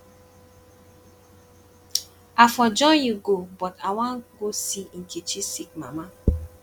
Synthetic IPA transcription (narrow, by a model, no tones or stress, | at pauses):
afɔd͡ʒɔnjuɡobɔtawaɡosiŋ̩kit͡ʃisik̚ma̰ma